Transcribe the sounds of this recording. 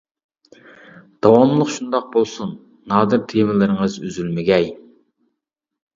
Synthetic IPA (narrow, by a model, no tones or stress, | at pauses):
d̪̥ɑwɑmlˠəχʃund̪ɑq̚bolˠsunː | ɑːd̪ɨɾt̪ʰevɪlɪɾɪŋəzyzylmɪɡʲɛj